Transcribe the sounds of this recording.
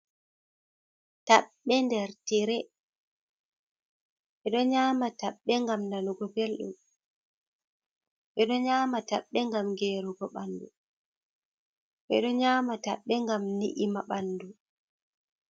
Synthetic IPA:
taɓːɛndɛɾtiɾɛ | ʔɛɗɔɲaːmataɓːɛŋɡamnanuɡɔbelɗṵm | ɓɛɗɔɲaːmataɓːɛŋɡamɡeːɾuɡɔɓandṵ | ʔɛ̰ɗɔɲaːmata̰ɓːɛŋɡamnḭʔimaɓandu

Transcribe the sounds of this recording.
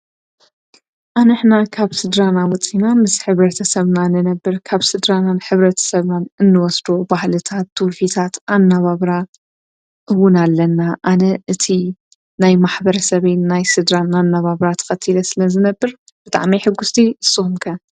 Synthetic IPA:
ʔanɨħnakʰaβsɨd̪ɾanawɔt͡sʼːinamɨsħɨβɾɐt̪ʰɐsɐβnanɨnɐbːɨɾkʰaβsɨd̪ɾananħɨβɾɐt̪ʰɐ̥sɐβnanɨnːɨwɔsd̪obahlɨt̪ʰat̪ːufit̪ʰat̪ʔanːaβaβɾa | ʔɨwʊnalːɐnːaʔanɐʔɨt̪ʰi | najmaħbɐɾɐsɐβenːajsɨd̪ɾanːanːaβaβɾat̪ʰɐ̥xɐt̪ʰːilɐsɨlɐzɨnɐbːɨɾ | b̥ɨt̪ʼa̰ʕmiħɨɡːʊst̪ʰiɨsːɨxumkʰɐ

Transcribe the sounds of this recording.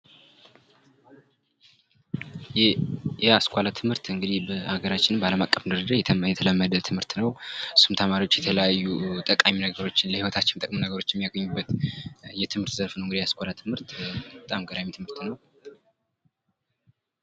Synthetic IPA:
jjɛaskʷalat̪ʰɨmhɨɾt̪ɨŋɡɨd̪ihbəhaɡəɾat͡ʃːɪnmbəaləmakʼːəfɨndɨɾəd̪ajɛt̪ʰəjɛt̪ʰələmːəd̪ət̪ʰɨmhɨɾt̪nəwɨsumt̪ʰəmaɾiwo̞t͡ʃːjɛt̪ʰələjajːut̪ʼəkʼaminəɡəɾo̞t͡ʃːɪnləhiwɔt̪ʰat͡ʃːɪnt̪ʼə̰kʼmunəɡəɾo̞t͡ʃːjɛmijaɡəɲːubːət̪jɛt̪ʰɨmhɨɾt̪zəɾfnəwɨŋɡd̪ijaskʷʼalat̪ʰɨmhɨɾt̪ət̪ʼamɡəd̪amit̪ʰɨmhɨɾt̪nəw

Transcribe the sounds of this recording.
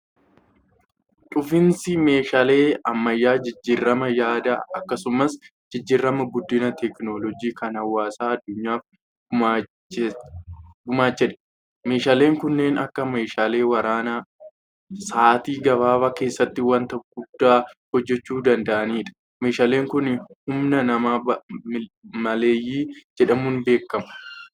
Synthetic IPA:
ᶑʼʊfɪnsɪme̞ːʃaːle̞ːɐmːɐjːaːd͡ʒɪd͡ʒːiːrːɐmɐjaːd̪ɐɐkːɐsʊmɐsd͡ʒɪd͡ʒːiːrːɐmɐɡʊd̪ːɪnɐt̪ɛknolɔd͡ʒiːkɐnhɐwːaːsaːɐd̪ːʊɲːaːf | ɡʊmaːt͡ʃːɛᶑɐ̥ | me̞ːʃaːle̞ːŋkʊnːe̞ːnɐ̰kːɐmeːʃaːle̞ːwɐɾaːnɐ | saːt̪iːɡɐβaːbɐke̞ːsːɐt̪ːɪwɐnt̪ɐɡ̥ʊd̪̥ːaːhɔd͡ʒːɛt͡ʃːuːd̪ɐnd̪ɐʔɐniːᶑɐ̥ | me̞ːʃaːle̞ːŋkʊnhʊmnɐnɐmaːbɪmɐle̞ːjːiːd͡ʒɛᶑɐmuːnbe̞ːkːɐmʊ̥

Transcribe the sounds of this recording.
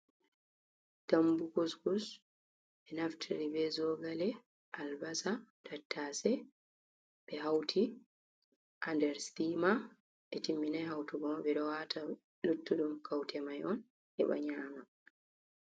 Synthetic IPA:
tambukuskus | ɓɛnaftʰiɾibɛzɔɡalɛ | ʔalbasadatːasɛ | bɛɦawtʰi | ʔandɛɾstima | ʔɛtimːinajɦawtuɡɔmaɓɛɗɔwatʰa | lutːuɗumkʰawtʰɛmajʔɔn | ʔɛ̰ɓa̰ɲaːma

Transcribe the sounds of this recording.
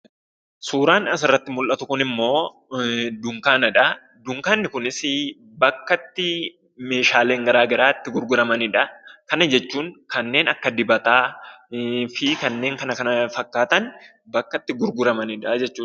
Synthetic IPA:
suːɾaːnɐs̬ɪrːɐt̪ːɪmʊlʔɐt̪ʊkʊnɪmːo̞ː | d̪ʊŋkaːnɐᶑɐ | d̪ʊŋkaːnːɪkʊnɪsɪ | bɐkːɐt̪ːɪ | me̞ːʃaːleːŋɡɐɾaːɡɐɾaːɪt̪ːɪɡʊɾɡʊɾɐmɐnɪᶑɐkɐnɐd͡ʒɛt͡ʃːuːŋkɐnːe̞ːnɐkːɐd̪ɪbɐt̪aː | fɪkɐnːe̞ːŋkɐnɐkɐnɐfɐkːaːt̪ɐn | bɐkːɐt̪ːɪɡʊɾɡʊɾɐmɐnɪᶑɐd͡ʒɛt͡ʃːuː

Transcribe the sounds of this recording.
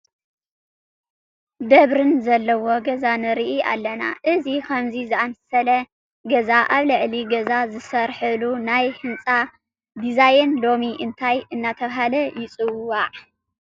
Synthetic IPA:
d̪ɐβɾɨnzɐlːɐwo̞ɡɐzanɨɾiʔia̰lːɐna̰ʔɨzikʰɐmzizɨamsɐlɐ | ɡɐzaʔaβlɨʕliɡɐzazɨsɐɾħɨlunajhɨnt͡sʼa | d̪izajɛnlo̞miʔɨnt̪ʰajʔɨnːat̪ʰɐβɦalɐjɪt͡sʼɨwːaʕ

